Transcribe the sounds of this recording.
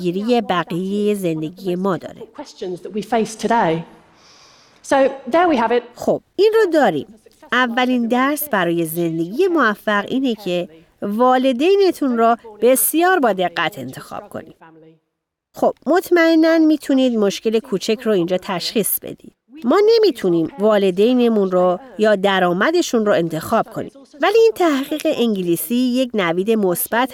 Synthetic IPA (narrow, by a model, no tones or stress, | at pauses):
iːɾije̞bæɣijejeze̞nd̪e̞ɟije̞mɒːd̪ɒ̰ːɾekʰw̥ɛst͡ʃə̃nzðəʔwifeɪstʰədeɪ | soʊðəwiəvɪt̚xob̥̚inrɔd̪ɒːɾḭːm | ʔævːælind̪æɾsbæɾɒːje̞ze̞nd̪e̞ɟije̞mo̞væfːæɣiːnecʰe̞ | vɒːle̞d̪ejne̞t̪ʰunrɔb̥e̞sjɒːɾbɒːd̪e̞ɣːæt̪ʰe̞̰nt̪ʰe̞xɒ̰ːb̥̚kʰo̰nḭːd̪̥ | xob̥̚mo̞t̪ʰmæe̞nːænmiːt̪ʰuniːd̪mo̞ʃce̞le̞kʰuːt͡ʃʰecʰroind͡ʒɒːt̪ʰæʃxiːsb̥ḛd̪ḭːd̪̥mɒːne̞mit̪ʰuniːmvɒːle̞d̪e̞jne̞munɾojɒːd̪æɾɒːmæd̪e̞ʃunroe̞nt̪ʰe̞xɒːb̥̚kʰo̞̰nḭːmvæliiːnt̪ʰæhɣiːɣe̞ʔiŋɟiliːsiːje̞cʰnæviːd̪e̞mo̞sb̥æt̪ʰ